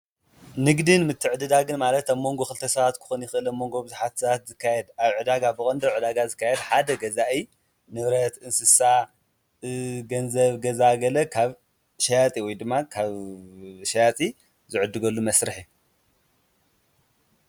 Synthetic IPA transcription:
nɨɡd̪ɨnmɨt̪ʰːɨʕɨd̪ɨd̪aɡɨnmalɐt̪aβmo̞ŋɡo̞xɨlt̪ʰɐsɐβat̪kʰɨ̥xunjɪxʔɨlamːo̞ŋɡo̞bɨzuħat̪sɐβat̪zɨkʰːajɛd̪aβʕɨd̪aɡabɨχʼɐnd̪ɐʕɨd̪aɡazɨkːajɛd̪ħad̪ɐɡɐzaʔi | nɨβɾɐt̪ɨnsɨsa | ɡɐnzɐβɡɐzaɡɐlɐkʰaβ | ʃɐjat̪ʼiwɔjd̪ɨmːakʰaβ | ʃɐjat̪ʼi | zɨʕɨd̪ːɨɡɐlːumɐsɾɨħi

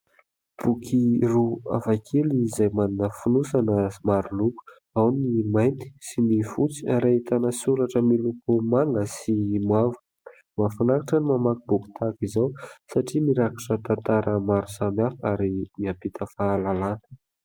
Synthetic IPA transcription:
b̥ukʰirua̰vakʰelizajmaninəfunusanəmaɾuluku̥ | awnimajnt̪i̥simifut͡si̥aɾait̪anəsuɾaʈ͡ʂəmilukumaŋɡəsimavu | mafanakaʈ͡ʂənimamakibuku̥t̪ʰakizawsaʈ͡ʂimiɾakiʈ͡ʂət̪ant̪aɾəmaɾuzamiafakaɾimiampit̪ʰəfalalanə

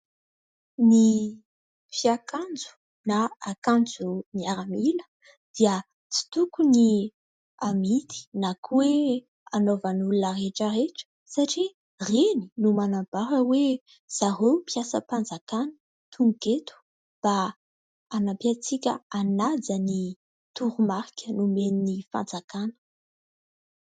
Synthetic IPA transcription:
ni | fiakand͡zu̥ | naːkand͡zuniaɾamilə̥ | d̪̥iə | t͡si̥t̪ukuni | amit̪i̥nakwe | anovanulunəreʈ͡ʂəɾeʈ͡ʂə̥ | saʈ͡ʂi | reni̥numanambaɾəwe | z̥aɦopiasə̰pand͡zakanə̥ | t̪ʰuŋket̪u̥ | b̥a | anapiat͡sikʲə̰anad͡zəni | t̪uɾumaɾikʲənumeninifa̰nd͡zakanə̥

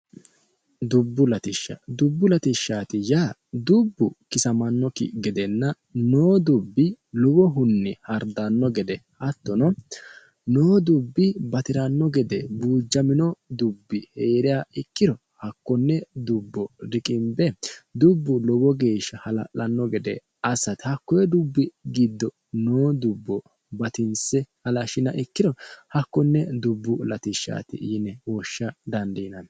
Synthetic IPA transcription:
d̪ʊbːʊlɐt̪ɪʃːɐ̰d̪ʊbːʊlɐt̪ɪʃːaːt̪ɪjaːd̪ʊbːʊkɪsɐmɐnːɔkɪ̰ɡɛd̪ɛnːɐ | noːd̪ʊbːɪlɔwɔɦʊnːɪhɐɾd̪anːɔɡɛd̪ɛhɐt̪ːɔnɔ | noːd̪ʊbːɪbɐt̪ɪɾɐnːɔɡɛd̪ɛbuːd͡ʒːɐmɪnɔd̪ʊbːɪheːɾɪjaːɪkːɪɾɔ | hɐkːɔnːɛd̪ʊbːɔɾɪkʼɪmbɛd̪ʊbːʊlɔbɔɡe̞ːʃɐhɐlɐ̰lɐnːɔɡɛd̪ɛ̰ | ɐsɐt̪hɐkːɔjɛd̪ʊbːɪɡid̪ːɔ | noːd̪ʊbːɔ | bɐt̪ɪnsɛhɐlɐʃɪnɐʔɪkːɪd̪ɔhɐkːɔnːɛd̪ʊbːʊlɐt̪ɪʃːa̰ːt̪ɪ̰ʔːnːɛwɔʃːɐd̪ɐnd̪iːnɐn

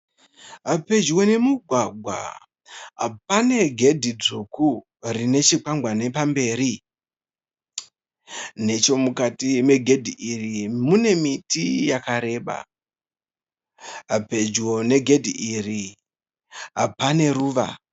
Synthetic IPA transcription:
ɦape̞d͡ʒwo̞ne̞muɡʱwaɡʱwa̰ | ɦa̰p̚ane̞ɡʱe̞dʱid͡zuku | rine̞t͡ʃikaŋɡʱwane̞pambe̞ːri | ne̞t͡ʃo̞mukatime̞ɡʱe̞dʱiʔirimune̞mitijakaɾe̞ːɓa̰ | ɦape̞d͡ʒwo̞ne̞ɡʱe̞dʱiʔiri | ɦa̰pane̞ruːʋa̰

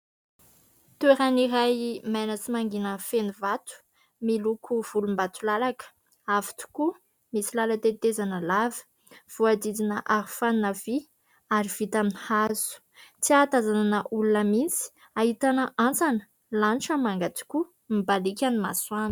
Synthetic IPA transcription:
t̪ueɾaniɾajmajnət͡simaŋɡinəfenivat̪u̥ | milukʰuv̥ulumbat̪ulalakə̥ | avi̥t̪u̥ku | misilalat̪et̪ezanəlavə̥ | v̥uad̪id͡zinəʔaɾifannəvi | aɾiv̥it̪aminhazu̥ | t͡siat̪azananəʔulunəmint͡si̥ | ahit̪anəʔant͡sanə | lanʈ͡ʂəmaŋɡat̪u̥kʲu | mibalikʲanimaswani̥

